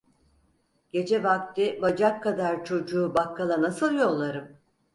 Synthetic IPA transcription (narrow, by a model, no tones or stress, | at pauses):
ɟ̥e̞d͡ʒɛvak̚t̪ʰibad͡ʒakʰːad̪aɾt͡ʃʰo̞d͡ʒuːbakʰːalˠanasɯlˠjo̞lˠːaɾɯm